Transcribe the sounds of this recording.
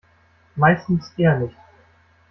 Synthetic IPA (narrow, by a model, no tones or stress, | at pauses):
maɪstn̩sʔeːɐnɪçt